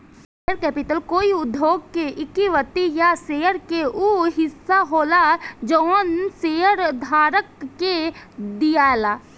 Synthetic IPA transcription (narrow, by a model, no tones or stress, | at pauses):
seːəɾkɛːpɪʈəlkoːiʊd̪ʱjoːɡkeʔɪkiʋət̪ijaseːəɾkeuɦɪsːaɦoːlad͡ʒonsejəɾd̪ʱaːɾəkːed̪ijaːelaː